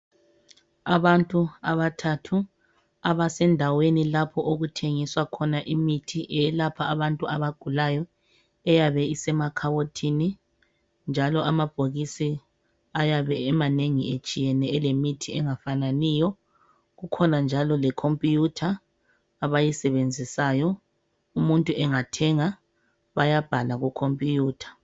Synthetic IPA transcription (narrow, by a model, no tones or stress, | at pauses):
aβantʼuaβatʰatʰu | aβasɛndʱawenilapʰɔʔoɣutʰeŋiswakʰɔnaʔimitʰiʔɛɛlapʰaaβantʼuaβaɡ̥ʱulajɔ | ɛjaβɛisɛmakʰawotʰini | nd͡ʒʱalɔamab̥ʱoɣisi | ajaβɛɛmaneŋiet͡ʃʼijɛnɛɛlemitʰiɛŋafananiːjɔ | ɣukʰɔnand͡ʒʱalɔlɛkʰompʼijutʰaː | βajisɛβend͡zʱisajɔ | umuntʼuʔɛŋatʰɛŋa | βajab̥ʱalaɣukʰompʼijuːtʰḁ